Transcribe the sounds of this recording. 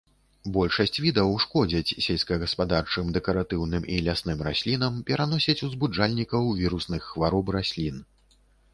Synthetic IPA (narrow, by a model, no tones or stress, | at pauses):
bɔlʲʂɐsʲt͡sʲvʲid̪ɐwʂkɔd͡zʲɐt͡sʲsʲelʲskɐɣɐspad̪art͡ʂɨmd̪ɛkɐɾat̪ɨwnɨmʔilʲasnɨmɾasʲlʲin̪ɐmpʲɛɾan̪ɔsʲɐt͡sʲuzbud͡ʐalʲnʲikɐwvʲiɾusnɨxːvaɾɔprasʲlʲin